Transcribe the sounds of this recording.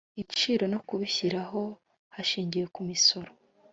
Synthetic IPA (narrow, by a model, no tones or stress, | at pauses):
ict͡ʃiːɾo̞nokuβiçiɾaɦo̞ | haʃiːɲɟije̞kumiso̞ɾo